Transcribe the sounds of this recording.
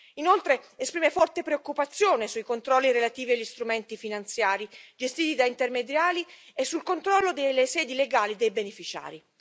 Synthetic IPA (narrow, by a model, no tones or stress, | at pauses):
inolt̪ɾeespɾiːmefɔrt̪epɾeokːupat̪sːjoːnesuikont̪ɾɔlːiɾelat̪iːviaʎːist̪ɾument̪ifinant̪sjaːɾid͡ʒest̪iːt̪id̪aint̪ermed̪jaːliesːulkont̪ɾɔlːod̪elːesɛːd̪ileɡaːlid̪ejbenefit͡ʃa̰ːɾi